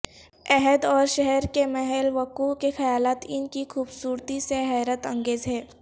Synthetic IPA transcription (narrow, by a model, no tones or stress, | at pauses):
ɛɦɛd̪ɔːɾʃɛɦɛɾkemɛɦɛlʋɐkukexɐjaːlaːt̪ɪnkixuːbsuːɾt̪iseɦɛːɾət̪ɐ̃ŋɡeːzɦɛː